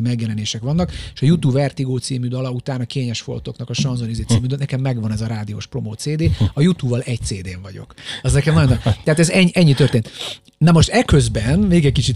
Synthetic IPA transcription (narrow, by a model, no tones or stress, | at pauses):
imɛɡjɛlɛneːʃɛkʋɒnːɒkeʃɒjut̪ubvɛrt̪iɡoːt̪siːmyd̪ɒlɒut̪aːnɒkeːɲɛʃfo̞̰lt̪o̞knɒkɒʃɒnzonizeːt̪siːmyd̪ønɛkɛmːɛɡʋɒnɛzɒɾaːd̪io̰ːʃpro̞moːt̪seːd̪eːɒjut̪ubːɒlʔɛc̚t̪seːd̪eːɱvɒɟo̰kɒznɛkɛmnɒjonːt̪ɛɦaːt̪ɛzɛɲːʔɛɲːit̪ø̞rt̪eːnt̪ | nɛmo̞ʃt̪ɛkøzbɛnmeːɡɛckit͡ʃit̪